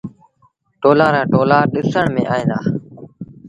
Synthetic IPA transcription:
ʈoːlãːɾãːʈoːlaːɗɪsəɳmḛ̃ːʔaːɦẽːnd̪aː

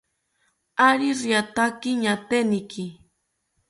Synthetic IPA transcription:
aɾiɾjat̪akɪɲat̪enɪkʰɪ

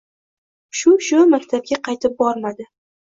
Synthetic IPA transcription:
ʃʊʃʊmakʲt̪ʰab̚ɡʲaqʰɑjt̪ʰɪp̚bɒɾmad̪ɪ

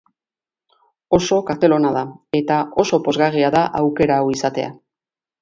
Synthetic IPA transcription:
o̞so̞kaɾt̪e̞lo̞naðae̞t̪ao̞so̞po̞zɣariaðaʔawke̞ɾawisat̪e̞̰a̰

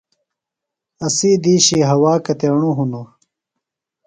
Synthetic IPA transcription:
ɐsid̪iːɕiɦɐwaːkɐt̪eɳuɦuno

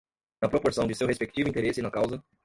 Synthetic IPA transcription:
nɐpɾopoɾsɐ̃d͡ʒɪsewhespek̚t͡ʃivʊĩt̪eɾesɪnɐkawzɐ

